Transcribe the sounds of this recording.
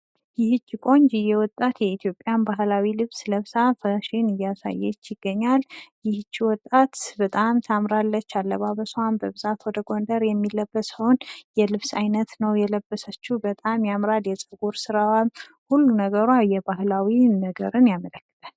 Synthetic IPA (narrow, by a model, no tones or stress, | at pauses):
jɪhɨt͡ʃːikʼo̞ɲd͡ʒɪjɛwɔt̪ʼːat̪jɛit̪ʰjo̞pʼːjanbaɦlawilɨβsləβsafəʃɪnɨjːasa̰jːɛ̰t͡ʃːjɪɡ̥ːəɲːaljɪhɨt͡ʃːwɔt̪ʼːat̪bət̪ʼamt̪ʰamɾalːət͡ʃːalːəβaβəsanbəβɨzat̪wɔd̪əɡo̞nd̪əɾjɛmːilːəbːəsəhonjɛlɨβsajnət̪nəwjɛləbːəsət͡ʃːubət̪ʼamjamɾaljɛt͡sʼɨɡuɾsɨɾawal | hulːunəɡəɾwajɛbaɦlawinəɡə̰ɾɨnjamələkːɨ̥t̪ʼal